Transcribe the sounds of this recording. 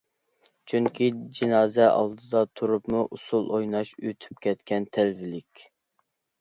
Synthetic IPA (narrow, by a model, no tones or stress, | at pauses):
t͡ʃʰyŋkʲʰid͡ʒinɑːzɛʔɑ̰lˠd̪ɨd̪ɑt̪ʰuɾupmuʔusulˠojnɑʃøt̪ʰy̥p̚kʲʰɛt̪kʲɛnt̪ʰɛlvɪlɪkʲ